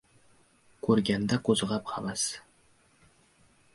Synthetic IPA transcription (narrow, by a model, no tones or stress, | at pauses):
kʰɵɾɡʲænd̪akɵzʁɑpχʰɑvɑs